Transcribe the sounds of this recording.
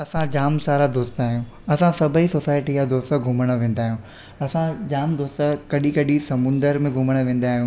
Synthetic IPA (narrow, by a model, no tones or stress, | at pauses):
ɐsãd͡ʑaːmsaːɾad̪oːst̪aːɦijũ | ɐsãsɐbʱisoːsaːɪʈijad̪oːst̪əɡʱʊməɽ̃ə̆ʋẽːn̆d̪aːɦijũ | ɐsãd͡ʑaːmd̪oːst̪əkɐɗikɐɗisɐmʊ̃nd̪əɾmẽɡʱʊməɽ̃ə̆ʋẽːn̆d̪aːɦijũ